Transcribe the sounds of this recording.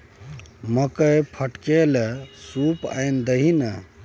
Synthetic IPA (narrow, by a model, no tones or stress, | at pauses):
məkəjpʰəʈkelesupa̰jnd̪əɦinə